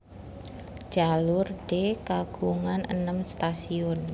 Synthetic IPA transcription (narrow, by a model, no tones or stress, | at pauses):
d͡ʒ̥alʊrɖ̥ekaɡ̥uŋanʔə̰nəmst̪asiɔn